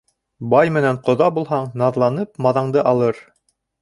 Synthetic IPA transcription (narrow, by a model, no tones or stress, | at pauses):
bɑjmɘ̆næɴqŏðɑbulˠɦɑɴnɑðlˠɑnɤpmɑðɑɴd̪ɤʔɑlˠɤɾ